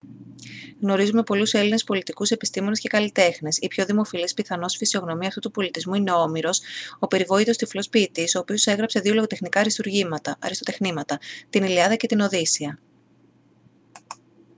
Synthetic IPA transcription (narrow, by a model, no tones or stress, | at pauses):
ɣno̞ɾizume̞po̞luse̞line̞spo̞lit̪ikuse̞pi̥st̪imo̞nesce̞kɐlit̪e̞xne̞sipço̞ðimo̞filispiθɐno̞sfisio̞ɣno̞miɐft̪ut̪upo̞lit̪izmuine̞o̞miɾo̞sope̞ɾivo̞it̪o̞st̪iflo̞spiːt̪iso̞ːpio̞se̞ɣɾɐpse̞ðio̞loɣot̪exnikɐɾist̪uɾʝimɐt̪ɐʔɐ̰ɾist̪ot̪e̞xnimɐt̪ɐt̪iniliɐðɐce̞t̪ino̞ðisiɐ